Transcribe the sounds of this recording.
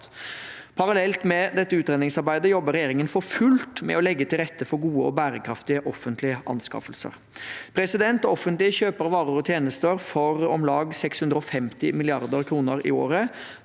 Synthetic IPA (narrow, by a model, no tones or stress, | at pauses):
pʰɑɾɑlɛlt̪mɛd̪ɛt̪ːəʉːt̪ɾeːnɪŋsɑɾbæɪd̪əjɔbəɾɛjeːɾɪŋənfɔɾfʉlt̪mɛ̰ɔlɛɡːət̪ʰɪlɾɛt̪ʰːəfɔɾɡuːəɔ̰bæːɾəkʰɾɑft̪ɪəʔɔfənt̪lɪəʔɑ̰nskɑ̰fəlsə̰ɾ | pʰɾɛsɪd̪ɛnt̪ɔfənt̪lɪəçøːpəɾʋɑːɾəɾɔt̪ʰjeːnəst̪əɾfɔɾɔmlɑːɡsɛkshʉnd̪ɾəɔfɛmt̪ɪmɪlɪɑɾd̪əɾkʰɾuːnəɾɪ̰oːɾə